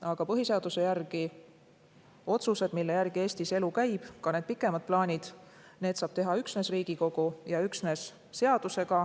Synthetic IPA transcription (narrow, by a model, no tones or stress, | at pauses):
ɑɡ̥ɑpɤɦise̞ɑd̪use̞jærɡ̥i | o̞t̪suse̞d̪milːe̞jærɡ̥ie̞ːst̪ise̞lukæjb̥kɑne̞ːd̪̚pikːˑe̞mɑd̪̥̚plɑːnʲid̪̥ | ne̞ːd̪̥sɑːb̥t̪e̞ɦɑyksne̞sriːɡ̥iko̞ɡ̥ujɑyksne̞sː | e̞ɑd̪̥use̞ɡ̥ɑ